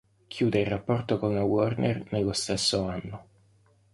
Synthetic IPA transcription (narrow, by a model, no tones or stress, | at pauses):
kʰjuːd̪eirːapːɔrt̪okonawɔrnḛrnelːost̪esːoanːo